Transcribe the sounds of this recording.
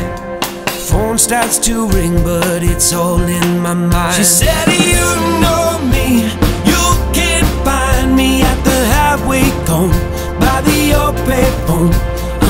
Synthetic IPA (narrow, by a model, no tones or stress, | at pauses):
fɔʊnstɑtstʰuɹɪ̃ŋbʌɾɪtsɔlˠɪ̃nmaɪmãɪʃisɛɾjɨnoʊmi | jəkɛ̃nfãɪ̃nmiɨt̪̚ðɨhæfweɪõʊ̃n | baɪðɨɔpʰeɪfõʊ̃n